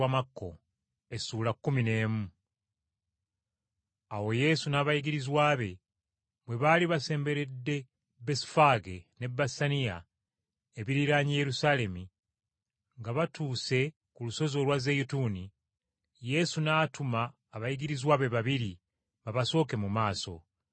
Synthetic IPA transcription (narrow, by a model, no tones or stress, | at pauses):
amakːo̞̰ | e̞suːlakːumine̞ːmu | awo̞je̞sunaːβajiɡiɾizwaːβe̞ | βwe̞βaliβase̞ːmbe̞ɾe̞dːe̞ | besi̥faɡene̞bːasanija̰ | eβiɾiɾaɲije̞ɾusale̞mi | ŋɡaβatuːse̞ | kuluso̞zo̞lwazejutuni | je̞sunaːtumaː | βajiɡiɾizwaːβe̞βaβiɾi | βaβaso̞ːke̞mumaːso̞̰